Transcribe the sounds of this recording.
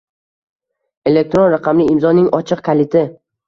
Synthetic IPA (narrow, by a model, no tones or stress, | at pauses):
e̞lek̚t̪ɾonɾaqʰɑmlɪɪmzɒnɪŋɒt͡ʃʰɨqkʰalɪt̪ʰɪ